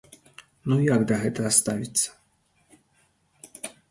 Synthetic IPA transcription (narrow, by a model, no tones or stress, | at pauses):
nujaɡd̪ɐɣɛt̪ɐɐst̪avʲit̪sːɐ̥